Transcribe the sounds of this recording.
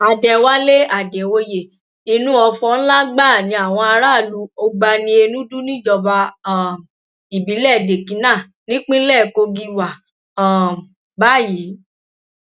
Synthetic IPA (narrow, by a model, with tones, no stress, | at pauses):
a˨dɛ˨wa˦le˦a˨dɛ˨wo˧je˨ | i˧nũ˦ɔ˧fɔ̃˧˦n̩˦la˦ɡ͡ba˦˨nĩ˧a˨w̃ɔ̃˧a˧ɾa˦˨lu˧˦o˧ɡ͡ba˧nĩ˧e˧nũ˦du˦nĩ˦˨d͡ʒɔ˧ba˧˨ | i˨bĩ˨˦lɛ˦˨de˨kĩ˨˦nã˦˨ | nĩ˦k͡pĩ˦lɛ˦˨ko˧ɡi˧wa˨ | ba˦˨ji˨˦